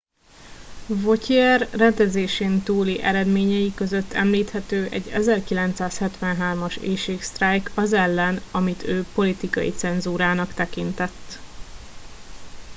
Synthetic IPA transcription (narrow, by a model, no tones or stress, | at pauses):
vo̞ciɛrːɛnd̪ɛzeːʃeːnt̪uːliʔɛɾɛd̪meːɲɛjikø̞zøt̪ːɛ̰mliːt̪hɛt̪øːʔɛ̰ɟːɛzɛrkilɛnt̪saːshɛt̪ʋɛnɦaːrmɒʃeːʃeːkst̪rajkʰɒzɛlːɛnɒmit̪ʰøːpo̞lit̪ikɒjḭt̪sɛnzuːɾaːnɒkt̪ɛkint̪ɛt̪ː